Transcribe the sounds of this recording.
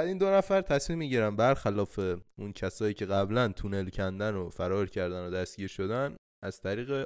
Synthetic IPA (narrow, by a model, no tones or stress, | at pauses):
æd̪iːnd̪o̞næfæɾt̪ʰæsmimːiɟiɾæmbæɾxælɒːfe̞uncʰæsɒːjiːcʰe̞ɣæblænt̪ʰune̞lcʰænd̪ænofæɾɒːɾcʰæɾd̪ænod̪æst̪̚ɟiːɾʃo̞d̪æn | ʔæz̥t̪ʰæɾiːɣe